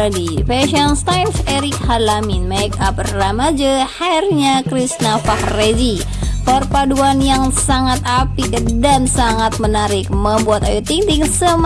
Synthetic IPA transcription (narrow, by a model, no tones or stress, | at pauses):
difɛʃɔnst̪ajlsɛɾɪk̚halaminmɛkap̚ramad͡ʒəharɲakɾisnafahred͡ʒi | pərpaduanjaŋsaŋat̪̚apikdansaŋat̪̚mənaɾɪk̚məmbuat̪ajut̪iŋt̪iŋsəm